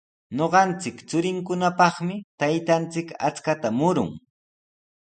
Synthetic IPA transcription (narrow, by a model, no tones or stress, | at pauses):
ɲoɢɑnt͡sɪkt͡sʊɾɪŋkʊnapɑχmɪt̪ajt̪ant͡sɪka̰t͡skat̪amʊɾʊ̰ŋ